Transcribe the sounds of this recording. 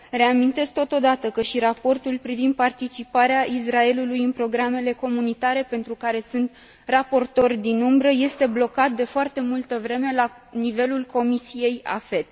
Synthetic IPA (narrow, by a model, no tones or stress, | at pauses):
re̞amint̪e̞sk̚t̪o̞t̪o̞d̪at̪əkəʃiɾapo̞rt̪ulpɾivind̪̚part̪it͡ʃipaɾeaʔis̬rae̞lulujɨnpɾo̞ɡɾame̞le̞ko̞munit̪aɾe̞pe̞nt̪ɾukaɾe̞sɨnt̪ | rapo̞rt̪o̞rʲd̪inumbɾəje̞st̪e̞blo̞kat̪̚d̪e̞foart̪e̞mult̪əvɾe̞me̞la | nive̞lulko̞misije̞ja̰fe̞t̪